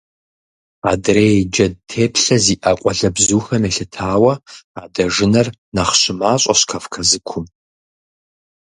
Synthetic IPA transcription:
aːdreːd͡ʒɐd̚tʰeːpʰɬɐziːʔɐqʷʼɔɮɐbzuːxɐmeːɬɨtʰaːwɐaːdɐʐɪnɐr | nɐχɕɪmaːɕʼɐɕkʰɐfkʰɐzɨkʷʰʊm

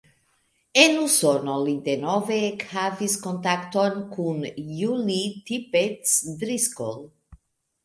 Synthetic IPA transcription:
enusonolid̪enɔvekhaviskont̪akt̪onkʰunjulit̪ipet̪sd̪ɾiskol

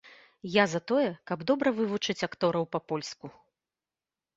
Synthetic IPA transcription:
jazɐt̪ɔjɛkɐbd̪ɔbɾɐvɨvut͡ʂɨt͡sʲakt̪ɔɾɐwpɐpɔlʲsku

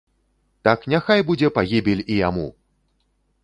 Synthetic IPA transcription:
t̪aknʲaxajbud͡zʲɛpaɣʲibʲilʲijamṵ

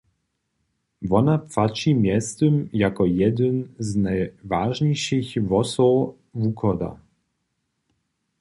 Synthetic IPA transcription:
vɔnapfat͡ʂimʲjɛst̪əmjakɔjɛd̪ɘnznajvaʐɲejʂɨxvɔsɔw | vukʰɔd̪a̰

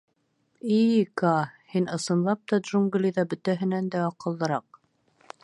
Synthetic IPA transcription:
ikɑhinɤ̆sɤ̆nlˠɑp̚t̪ɑd̪ʒuŋɡlʲiðɑbɵ̆t̪æɦɘ̆nænd̪æɑqɤ̆lˠd̪ɤ̆ɾɑq̚

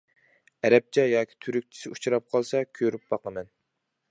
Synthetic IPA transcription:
ɛɾɛp̚t͡ʃʰɛjɑːkʲʰi̥t̪ʰyɾyk̚ʲt͡ʃʰi̥sɪut͡ʃʰɾɑp̚qʰɑlˠsɑkʲʰøɾyp̚b̥ɑqəmɛn

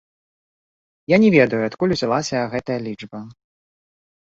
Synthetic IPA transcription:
janʲɛvʲɛd̪ɐjuɐt̪kulʲuzʲalˠasʲɐɣɛt̪ɐjɐlʲid͡ʐbɐ

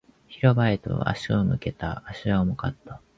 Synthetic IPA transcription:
çiɾo̞baet̪o̞̰a̰ɕiomɯ̟ke̞t̪aːɕiamokat̪ːḁ

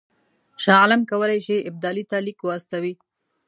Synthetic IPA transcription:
ʃɑ̃alamkawəlajʃeʔɪb̚d̪ɑlit̪alikoast̪awi

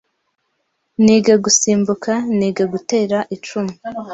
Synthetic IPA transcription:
niːɡaɡusiːmbukʰaniːɡaɡute̞ːɾaʔit͡ʃumi

